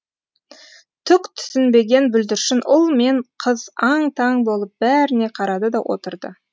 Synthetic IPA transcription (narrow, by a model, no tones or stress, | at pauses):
t̪ʰʏkt̪ʰʏ̥sɪnbe̞ɡʲe̞nbʏld̪ɪɾʃɪnʔʊlˠme̞ɴqʰəzɑɴt̪ʰɑŋbo̞lˠəp̚bæɾɪne̞qʰɑɾɑd̪əd̪ɑwʔo̞̰t̪əɾd̪ə̰